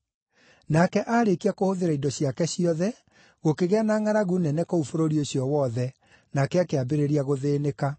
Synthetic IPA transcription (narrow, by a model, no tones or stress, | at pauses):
nakɛʔaɾekiakohoðeɾaidɔɕjakɛɕiɔðɛ | ɣokeɣeanaŋaɾaɣunɛnɛkoufoɾoɾioɕjɔwɔðɛ | nakɛakeabeɾeɾiaɣoðeːneka